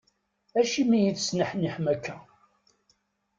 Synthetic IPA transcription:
æʃimijiθsnəħniħmækʰːæ

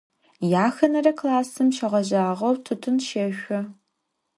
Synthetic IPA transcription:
jaːxɐnɐrɐkʰlaːsɨmʃɐʁʷɐʑaːʁɐwtʰɨtʰʊnʃɐʃʷʊ

